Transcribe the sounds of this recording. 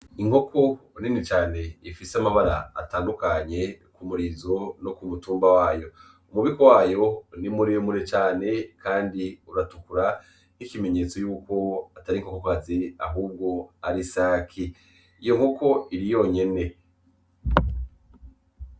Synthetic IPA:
iŋho̞kʰo̞ninit͡ʃaːne̞ifiseamaβaɾa̰ːtaːndukaɲe̞kumuɾizo̞nokumutuːmbawaːjo̞ | umuβiko̞waːjo̞nimuɾijomuɾet͡ʃaːne̞kʰaːndiuɾatukuɾa | ikime̞ɲe̞ːt͡so̞juːko̞ataɾiŋho̞kokazia̰ɦuːb̚ɡo̞aɾisaːkʰi | ijo̞ŋho̞kʰo̞iɾijo̞ːɲe̞ne̞

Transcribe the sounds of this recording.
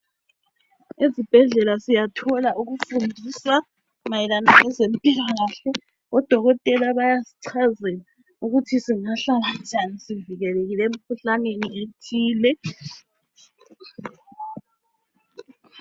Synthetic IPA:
ezib̥ʱɛɮɛlasijatʰɔlaʔuɣufundʱisa | majilanaʔɛzempʼilaɣaɬɛ | ɔd̥ʱɔɣɔtʼɛlaβajasi̥ǀʰazɛla | uɣutʰisiŋaɬaland͡ʒʱanisiviɣɛleɣilɛem̩kʰuɬanenietʰiːlɛ

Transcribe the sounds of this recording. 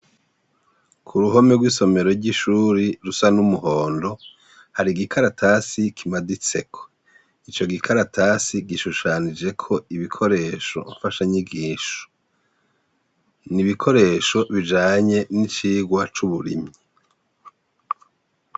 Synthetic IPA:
kʰuɾuɦo̞meɡwiso̞me̞ɾo̞ɾɟiʃuɾiɾusanumuho̞ːndo̞ | haɾiɡikʰaɾatʰasikʰimadit͡se̞̰kʰo̥ | it͡ʃo̞ɡikʰaɾatʰasiɡiʃuʃaːnid͡ʒe̞kʰo̞iβikʰo̞ɾe̞ːʃo̞̰ɱfaʃaɲiɡiːʃo̥ | niβikʰo̞ɾe̞ʃo̞βid͡ʒaːɲe̞nit͡ʃiːɡwat͡ʃuβuɾḭmɲi

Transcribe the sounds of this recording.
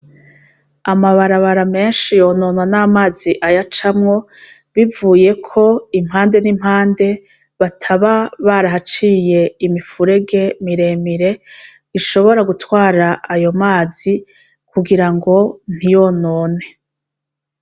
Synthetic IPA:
amaβaɾaβaɾame̞ːnʃijo̞ːno̞ːnwanamaːziʔajat͡ʃamŋo̞ | βivuːje̞kʰo̞im̥haːnde̞nim̥haːnde̞ | βatʰaβaβaɾaɦat͡ʃiːje̞imifuɾe̞ɡe̞miɾe̞ːmiɾe̞ | iʃo̞βo̞ɾaɡutwaːɾaajo̞maːz̥i | kuɡiɾaŋɡo̞n̥ijonoːne̞

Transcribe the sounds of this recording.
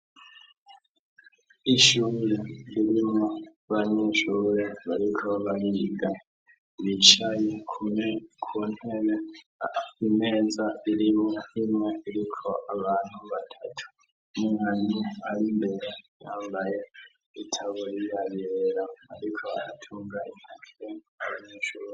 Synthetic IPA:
iʃuːɾeliɾimŋo | βaɲeʃuːɾe̞βaɾikʰo̞βaɾiːɡa | βit͡ʃajekʰukʰunhene | ime̞ːzaiɾimŋeimŋeiɾikʰo̞ʔaβaːn̥huβatʰatʰu̥ | muŋaɲuaɾimbe̞ɾejaːmbaje | itʰaβuɾijaβeɾaa̰ɾikʰo̞aɾatʰuːŋɡaʔinake | aβaɲeːʃuːɾe

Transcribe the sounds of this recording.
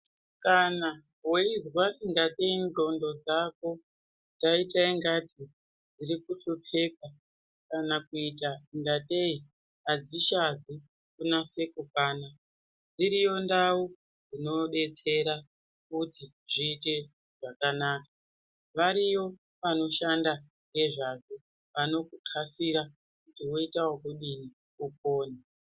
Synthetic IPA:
kana | weizwasiŋɡate̞indo̞ndo̞d͡zako̞ | taitaiŋɡatʰi | d͡ziɾikusopʰe̞p̚a | kanakuitaiŋɡate̞i | ad͡ziʃazi | kunase̞kukaːna | d͡ziɾijo̞ndau | d͡zino̞ɓe̞t͡se̞ɾa | kuti | ʐiːte̞ | ʐ̥akanaːkḁ | ʋaɾiwo̞ | ʋano̞ʃanda | ŋɡe̞ʐako | ʋano̞kukʰasiɾa | kutiwo̞itawokuɗini | kup̚oːni

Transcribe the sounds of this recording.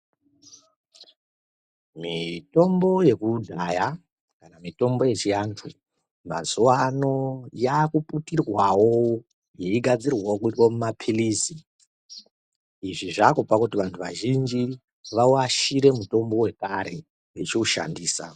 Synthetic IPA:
mito̞mbo̞je̞kudʱaja | kanamito̞mbo̞je̞t͡ʃiantʰu | ma̰zuwano̞jaːkuputirwawo | jeiɡʱad͡zirwaokuitwomumapʰilisi | iʐiʐakopakutiʋantʰuʋa̰ʒind͡ʒi | ʋauaʃiɾemuto̞mbo̞we̞kaɾe̞ | ʋet͡ʃiuʃa̰ndiːsa̰

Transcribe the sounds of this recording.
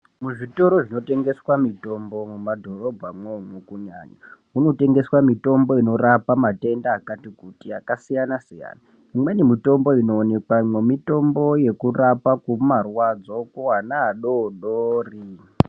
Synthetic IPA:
muʐito̞ɾoʐino̞te̞ŋɡe̞swamito̞mbo̞mumadʱo̞ro̞bʱamwemukuɲa̰ːɲa | uno̞te̞ŋɡe̞swamito̞mbo̞ino̞ɾapamate̞ndaːkatikutiakasijanasija̰ːna | imwe̞nimito̞mbo̞ino̞ːne̞kwamwemito̞mboje̞kurapakumarwad͡zokuwanaːɗoɗoːri

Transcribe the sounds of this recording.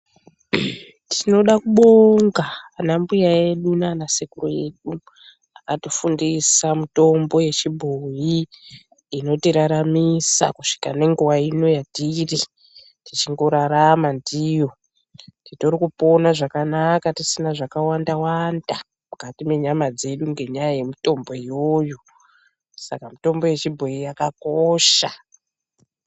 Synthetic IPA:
tʰino̞ɗakuɓo̞ŋɡaːnambujae̞ɗunanasekuroje̞ɗu | akatofundisamuto̞mbo̞je̞t͡ʃibʱoji | ino̞tiɾaɾamisa̰kuʂi̥kane̞ŋɡuwaino̞jadiri | tit͡ʃiŋɡo̞ɾaɾamandijo̞ | tito̞rikupo̞naʐakanakatisinaʐakawandawanda | mukatimwe̞ɲamad͡ze̞ɗuŋɡe̞ɲajaje̞mito̞mbo̞ijojo | sa̰kamito̞mbo̞je̞t͡ʃibʱo̞jijakakoʃa

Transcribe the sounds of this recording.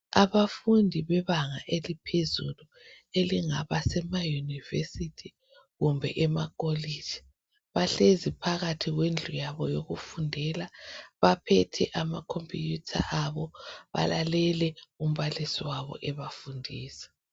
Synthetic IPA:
aβafundʱiβɛβaŋaʔelipʰezulu | eliŋaβasɛmajunivḛsitʰi | ɣumbʱɛ̰ʔɛmakʼole̥d͡ʒ̥ʱi̥ | βaɬezipʰaɣatʰiɣwend͡ɮʱujaβɔjoɣufundʱɛlaβapʰɛtʰɛ̰ʔamakʰompʰʼijutʰa̰ʔaβɔβa̰lalɛlɛum̩βalisiwaβɔ̰ʔɛβafundʱiːsɛ̥

